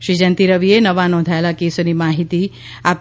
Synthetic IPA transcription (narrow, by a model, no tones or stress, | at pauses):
ʃid͡ʒənt̪iɾəʋienəʋanɔ̃ːnd̪ʱaelakeːsonimaːɦit̪i | aːp̚